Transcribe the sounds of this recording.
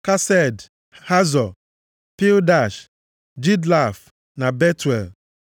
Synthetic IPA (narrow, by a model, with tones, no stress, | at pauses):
ka˦sɛ˦d | ha˦zɔ˨ | pi˦lda˨ʃ | d͡ʒi˦dla˦˨f | na˨be˦twḛ˨l